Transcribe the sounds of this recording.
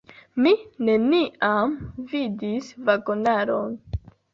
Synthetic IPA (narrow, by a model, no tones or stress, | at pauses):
mine̞niʔamvidisvaɡonaɾo̞n